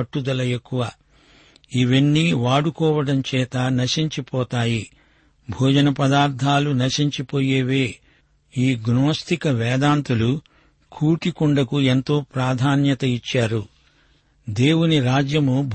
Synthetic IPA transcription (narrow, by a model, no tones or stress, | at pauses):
ɐʈːud̪ɐlɐekːuʋaː | iʋenːiʋaːɽukɔːʋɐɽɐmt͡ʃɛːt̪ɐnɐʃiɲt͡ʃipɔːt̪aːji | bʱuːd͡ʒɐnɐpɐd̪aːɾt̪ʰaːlunɐʃiɲt͡ʃipoːjeːʋeː | iːɡnoːst̪ikɐʋɛːd̪aːnt̪ulu | kʰuːʈikuɳɖɐkue̞nt̪o̞ːpɾaːd̪ʱaːnjɐt̪ɐit͡ʃːaːɾu | d̪e̞ːwuniɾaːd͡ʒjɐmubʱ